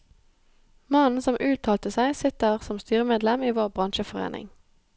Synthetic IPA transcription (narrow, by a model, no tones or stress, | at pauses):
mɑnn̩sɔmʔʉːt̪ʰɑːlt̪əsæɪsɪt̪əʁsɔmst̪yːʁəmeːd̪lɛmiːʋoːʁbʁɑnʃəfɔʁḛːnʔɪ̰ŋ